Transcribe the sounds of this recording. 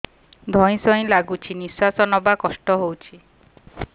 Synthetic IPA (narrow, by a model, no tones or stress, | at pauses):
d̪ʱɔĩsɔj̃laɡut͡ʃʰinisasɔnɔbakɔsʈɔɦowt͡ʃʰi